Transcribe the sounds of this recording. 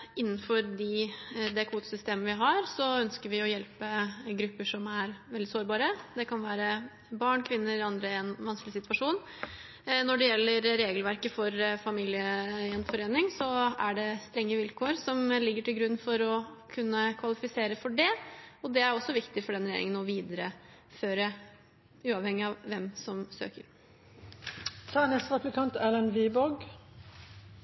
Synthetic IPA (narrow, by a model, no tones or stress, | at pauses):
ɪnːn̩fɔɾd̪ɪd̪ɛkʰuːt̪sʏst̪eːməʋɪɦɑɾsɔœnskəɾʋɪɔjɛlpəɡɾʉpːəʂɔmæɾʋɛld̪ɪsoːɾbɑːɾəd̪ɛkʰɑnʋæːɾə | bɑɳkʰʋɪnːəɑnd̪ɾəɛnʋɑnsklɪsɪt̪ʋɑʂuːn | nɔɖɛjɛlːəɾːeːɡəlʋæɾkəfɔɾfɑmiːlɪəɛnfɔɾeːnɪŋsɔæɖɛst̪ɾɛŋːəʋɪlkʰoːəɾsɔmlɪɡːəʈɪlɡɾʉnːfɔɾɔkʰʉnːəkʰʋɑlɪfɪseːɾəfɔɖɛɔd̪ɛæɾɔsːɔʋɪkt̪ɪfɔɖɛnɾɛjḛːɾɪ̰ŋənɔʋiːd̪əɾə | føːɾə | ʉːɑʋhɛŋːɪɑʋʋɛmsɔmsø̰ːkəɾ | t̪ʰɑːnɛst̪ʁɑplɪkʰɑnt̪ɛlənʋiːbɔɡ